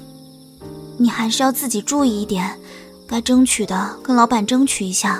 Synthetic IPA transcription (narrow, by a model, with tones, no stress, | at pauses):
ni˨˩xa˧˥ɪʂɻ̩˥˧jɑ˥˧ʊt͡sɹ̩˥˩t͡ɕi˨˩ʈ͡ʂu˥˧i˥˧i˥˩t̪jɛ˨˩˦n | ka˥ɪʈ͡ʂɤ˥ŋt͡ɕʰy˨˩d̪ə˦kɤ˥ŋlɑ˧˥ʊpa˨˩nʈ͡ʂɤ˥ŋt͡ɕʰy˨˩i˧˥ɕja˥˩